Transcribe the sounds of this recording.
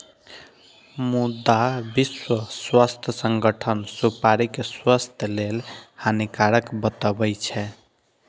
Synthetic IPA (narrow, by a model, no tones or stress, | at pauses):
mud̪abiswəswəst̪ʰəsəŋɡəʈʰənsupaɾikeswəst̪ʰlelhanikaɾəkbət̪əbɛjt͡ʃʰɛ